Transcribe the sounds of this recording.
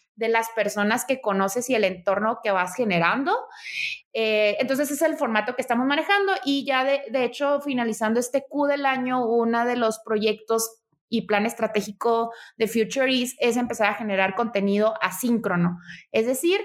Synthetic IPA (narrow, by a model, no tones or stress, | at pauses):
ðe̞laspe̞ɾso̞naske̞ko̞no̞se̞sie̞le̞nt̪o̞ɾno̞ke̞βasxe̞ne̞ɾand̪o̞ | eent̪o̞ns̬e̞s̬ese̞lfo̞ɾmat̪o̞kest̪amo̞zmãne̞xand̪o̞ʔiʝaðeðeet͡ʃo̞finalisand̪oe̞st̪ekuðe̞laɲo̞unað̞e̞lo̞spɾo̞ʝe̞k̚t̪o̞s | iplane̞st̪ɾat̪e̞xiko̞ðe̞fjut͡ʃuɾise̞s̬e̞mpe̞saɾaxe̞ne̞ɾaɾko̞nt̪e̞nið̞o̞ʔasiŋkɾo̞no̞e̞zðe̞siɾ